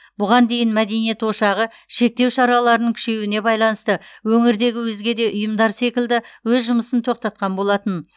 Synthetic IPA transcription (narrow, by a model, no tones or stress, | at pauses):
b̥ʊʁɑnd̪e̞jɪnmæd̪e̞nije̞t̪wo̞ʃɑʁə | ʃe̞k̚t̪ewʃɑɾɑlˠɑɾənəɴkʲʰʏ̥ʃe̞wɪne̞bɑjlˠɑnəst̪əwɵŋɪɾd̪e̞ɡʲɪwɵzɡʲe̞d̪e̞ʔʊjəmd̪ɑɾse̞kʲɪld̪ɪwɵzʒʊməsənt̪ʰo̞q̚t̪ɑt̪̚qɑnbo̞lˠɑt̪ən